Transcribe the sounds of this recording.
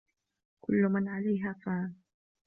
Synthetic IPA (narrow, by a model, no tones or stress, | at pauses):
kʊlːʊmanʕalajɦakaːn